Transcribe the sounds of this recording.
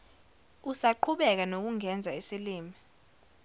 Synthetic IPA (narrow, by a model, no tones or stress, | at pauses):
usaǃʰuɓɛk̬anok̬uŋɛnd͡zʱaisiliːmi